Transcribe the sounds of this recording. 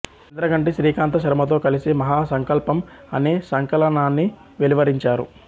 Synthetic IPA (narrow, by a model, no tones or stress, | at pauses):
ind̪ɾɐɡɐɳʈiʃɾiːkaːnt̪ɐʃ̬ɐɾɐmɐt̪o̞ːkɐlisimɐɦaːsɐŋkɐlpɐmɐ̰neːsɐŋkɐlɐnaːnːi | ʋeliʋɐɾiɲt͡ʃaːɾṵ